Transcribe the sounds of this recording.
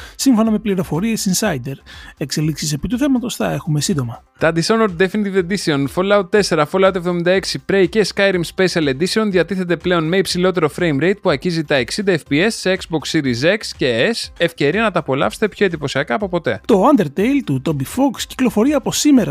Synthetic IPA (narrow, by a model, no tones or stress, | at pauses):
siɱfo̞nɐme̞pliɾo̞fo̞ɾiesinsɐjd̪eɾe̞kse̞liksise̞pit̪uθe̞mɐt̪o̞sθɐe̞xume̞sind̪o̞mɐ | t̪ɐd̪isonoɾd̪efinit̪ive̞nd̪isio̞nfolɐot̪t̪e̞se̞ɾɐfolɐot̪evðo̞mind̪ɐe̞ksipɾe̞jceskɐjɾimspesiɐle̞nd̪isio̞nðʝɐt̪iθet̪e̞ple̞o̞nme̞ipsilo̞t̪e̞ɾo̞fɾe̞jmɾejt̪̚puɐɾçizit̪ɐeksind̪ɐefpie̞sːeekzbo̞ksːiɾizeksceesefce̞ɾiɐnɐt̪ɐːpo̞lɐ̰fst̪e̞pço̞e̞nd̪ipo̞siɐkɐːpo̞po̞t̪e̞̰t̪o̞ɐnd̪eɾt̪ejlt̪ut̪obifoksci̥klo̞fo̞ɾiɐːpo̞simeɾɐ